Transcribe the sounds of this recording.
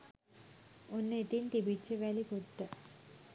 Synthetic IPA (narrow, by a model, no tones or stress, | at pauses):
onːəet̪int̪ibit͡ʃːəʋælikuʈːə